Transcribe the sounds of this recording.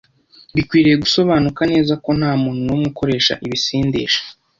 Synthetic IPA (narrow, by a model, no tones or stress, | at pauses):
bikwiːɾije̞ɡuso̞βaːnukane̞ːzako̞n̥aːmuːnunomɡuko̞ɾe̞ːʃa̰ʔiβisiːndḭːʃḁ